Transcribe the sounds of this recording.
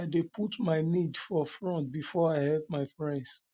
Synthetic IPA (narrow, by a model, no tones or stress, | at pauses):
aɪdepʰutmaɪnidfɔfɹɔ̃ntbifɔaɪhɛlp̚maɪfɹɛ̃nds